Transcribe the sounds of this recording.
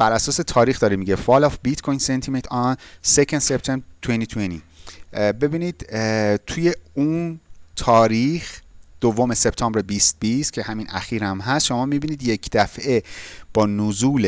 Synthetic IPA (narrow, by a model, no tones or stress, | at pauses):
b̥æɾʔæsɒːse̞t̪ʰɒːɾiːxd̪ɒːɾemiːɟefɒlɒfbit̪kʰojnsent̪ʰimet̪ʰɒnsekʰend̪sept̪ʰemt̪ʰwenʰit̪ʰweni | be̞biːniːd̪̥t̪ʰuje̞unt̪ʰɒːɾiːxd̪̥ovːome̞se̞pt̪ʰɒːmbɾebiːst̪̚b̥ist̪cʰe̞hæminʔæ̰xiːɾæmɦæst̪ʃo̞mɒːmibiːniːd̪je̞cʰd̪̥æfe̞b̥ɒːnuzuːle